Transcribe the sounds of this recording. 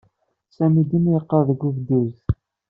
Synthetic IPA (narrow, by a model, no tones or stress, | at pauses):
sæmid̪imjəqːəɾðəɡʷːuvd̪iɾθ